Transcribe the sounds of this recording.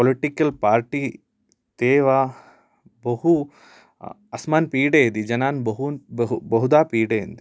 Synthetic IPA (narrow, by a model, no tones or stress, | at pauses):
poliʈikɐlpaːɾʈi | t̪eːʋaː | bɐhu | ɐsmaːnpiːɽeːd̪id͡ʒɐnaːnbɐɦunbɐɦud̪aːpiːɽḛːnd̪i